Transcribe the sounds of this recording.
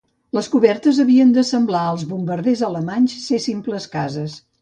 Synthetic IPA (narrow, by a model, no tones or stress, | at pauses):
ləskuβɛrt̪əzəβiənd̪əsəmblaəlˠzβumbəɾðezələmaɲʲssesimpləskazəs